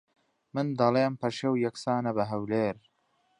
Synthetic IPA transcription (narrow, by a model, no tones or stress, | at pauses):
mɨnd̪ɐleːmpɐʃewjɐksaːnɐbɐɦɐwleːɾ